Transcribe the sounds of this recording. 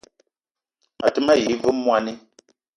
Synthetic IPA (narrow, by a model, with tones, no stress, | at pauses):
a˨tɨ˦ma˦˨ji˨˦vɨ˦mː˦wa˦ni˦